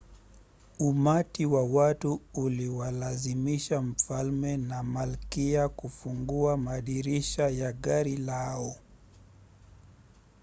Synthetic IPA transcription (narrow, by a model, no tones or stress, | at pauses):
umatiwawatuːliwalazimiʃam̩falmɛnamalkiakufuŋɡuamaɗiɾiʃajaɠaɾilaɔ